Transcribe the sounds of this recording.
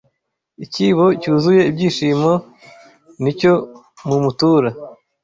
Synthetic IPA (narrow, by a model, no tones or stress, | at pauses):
iciβo̞cuːzuje̞ibɟiːʃiːmo | nico̞ | mumutuːɾa